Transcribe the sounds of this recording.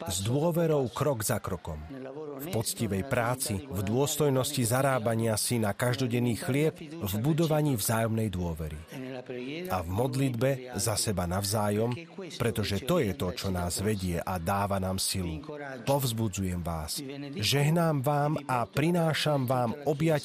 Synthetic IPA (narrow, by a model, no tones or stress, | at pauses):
zd̪ʊɔʋɛɾɔʊkɾɔɡzakɾɔkɔm | fpɔt͡sciʋɛjpɾaːt͡sivd̪ʊɔst̪ɔjnɔscizaɾaːbaɲɪasinakaʒd̪ɔɟɛnːiːxlɪɛb | vbud̪ɔʋaɲiːvzaːjɔmnɛjd̪ʊɔʋɛɾḭ | avmɔd̪lid̪bɛzasɛbanavzaːjɔm | pɾɛt̪ɔʒɛt̪ɔjɛt̪ɔt͡ʃɔnaːzʋɛɟɪɛʔad̪aːʋanaːmsilu | pɔvzbud͡zujɛmʋa̰ːsʒɛɦnaːmʋaːmapɾinaːʃamʋaːmɔbjac